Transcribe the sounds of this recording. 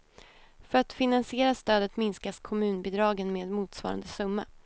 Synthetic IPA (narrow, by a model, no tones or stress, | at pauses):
fœɾat̪fɪnansɪeːɾast̪øːd̪ət̪mɪnskaskʰɔmʉ̟ːnbɪd̪ɾɑːɡənmeːd̪muːt̪svɑ̰ːɾa̰nd̪əsɵmːa